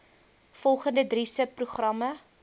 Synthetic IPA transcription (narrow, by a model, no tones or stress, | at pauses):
fɔlˠχəndədrisəpːruχrɐmɐ